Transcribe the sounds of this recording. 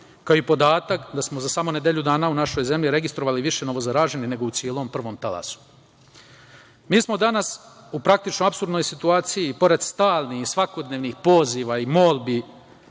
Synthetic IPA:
kaoipo̞d̪aːt̪akd̪asmozasamoned̪jeʎud̪aːnaunaʃo̞jze̞mʎʲiɾe̞ɡist̪ɾoʋaliʋiʃe̞no̞ʋo̞zaɾaːʒe̞nine̞ɡo̞ut̪sjeːlo̞ːmpr̩ʋo̞ːmt̪ala̰su̥ | miːsmo̞d̪anas | upɾak̚t̪it͡ʃnoapsuɾd̪no̞jsit̪uaːt̪sijipo̞ɾe̞d̪st̪aːlˠnihisʋako̞d̪neʋnixpo̞ːziʋaimo̞ːlˠbi

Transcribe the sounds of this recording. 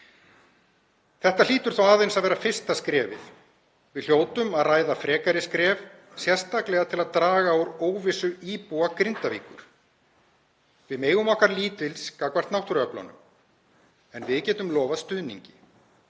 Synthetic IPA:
θɛht̪al̥iːt̪ʏɾ̥θawaːðejnsaðvɛːɾafɪr̥st̪askɾɛːvɪ̰ð | vɪðl̥joːwt̪ʏmaðraːjðafɾɛːkaɾɪskɾɛːv | sjɛr̥st̪aklɛɣat̪ʰɪlaðt̪ɾaːɣaowɾoːwvɪsʏiːpuakɾɪnt̪avḭːkʏ̰ɾ̥ | vɪðmeːjɣʏmɔhkaɾliːt̪ɪlskakvḁt̪nawht̪ʏɾœpla̰nʏ̰m | ɛnvɪðcɛːt̪ʏmlɔːvast̪ʏðnḭɲcɪ̥

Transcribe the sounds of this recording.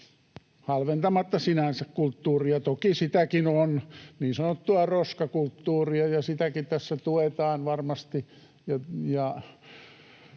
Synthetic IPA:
hɑlʋent̪ɑmɑt̪ːɑsinænsækkult̪ːuːriɑt̪okisit̪ækinonniːnsɑnot̪ːuɑroskɑkult̪ːuːriɑjɑsit̪ækit̪æsːæt̪uet̪ɑːnʋɑrmɑst̪i | jɑjɑ

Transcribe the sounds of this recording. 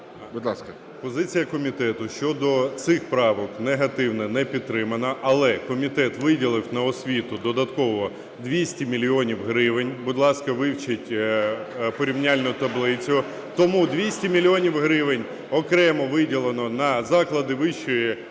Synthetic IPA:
bʊd̪ʲlˠɑskɐ | pɔzɪt͡sʲijɐkɔmʲit̪ɛt̪ʊʃt͡ʃɔd̪ɔt̪sɪxpɾɑʋɔkneɦɐt̪ɪwnɛnɛpʲid̪̚t̪ːɾɪmɐnɐʔɐlˠɛkɔmʲit̪ɛt̪ʋɪdʲilˠɪwnɐɔsʲʋʲit̪ʊd̪ɔd̪ɐt̪kɔʋɔ | d̪ʋʲisʲtʲimʲilʲjɔnʲiwɦɾɪʋenʲbʊd̪ʲlˠɑskɐʋɪwt͡ʃɪtʲ | pɔɾʲiwnʲalʲnʊt̪ɐblˠɪt͡sʲʊ | t̪ɔmud̪ʲʋʲisʲtʲimʲilʲiɔnʲiwɦɾɪʋɪnʲ | ɔkɾɛmɔʋɪdʲilˠenɔnɐzɑklˠɐd̪ɪʋɪʃt͡ʃɔji

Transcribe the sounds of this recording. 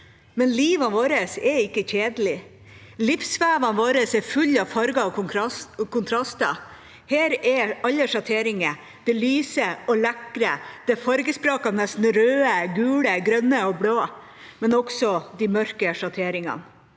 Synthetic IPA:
mɛnliːʋɑnʋoːɾəsɛɪkːəçeːd̪lɪ | lɪfsʋæːʋɑnʋoːɾəsɛɾfʉlːɑʋfɑɾɡɑɔʊkʰʊnt̪ʰɾɑst̪ɑ | heːɾɛɑlːəʂɑt̪ʰeːɾɪŋə | d̪̥ɛlyːsəɔlɛkɾəd̪̥ɛfɑɾɡəspɾoːkɑnɛst̪n̩ɾøːəɡʉːləɡɾœnːəɔbloː | mɛnɔɡsɔd̪ɪmœɾkəʂɑt̪ʰeːɾɪŋɑ̰n

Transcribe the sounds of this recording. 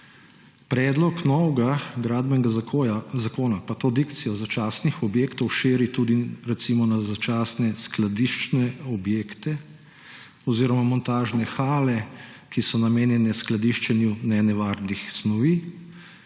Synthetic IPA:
pɾɛːd̪lɔknɔwɡaɡɾad̪bɛnɡaazakoːnapat̪oːd̪ikt̪sijɔzat͡ʃaːsnixɔbjeːkt̪ɔwʃeːɾit̪uːd̪iɾɛt̪simɔnazat͡ʃaːsnɛsklad̪iʃt͡ʃnɛɔbjeːkt̪ɛ | ɔziːɾɔmamɔnt̪aːʒnɛxaːlɛ | kisɔnameːnjɛnɛsklad̪iʃt͡ʃɛnjunɛnɛʋaɾd̪ixsnɔʋiː

